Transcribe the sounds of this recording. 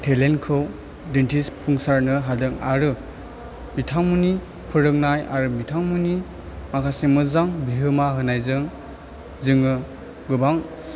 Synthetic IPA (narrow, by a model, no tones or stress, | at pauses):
tʰelenkʰɯw | dentispʰuŋsaɾnɯɦadɯŋaɾɯ | bitʰaŋmuni | pʰɯɾɯk̚najʔa̰ɾɯmitʰaŋmuni | makʰasemɯzaŋbiɦɯmaɦɯnajzɯŋ | zɯŋɯ | ɡɯbaŋ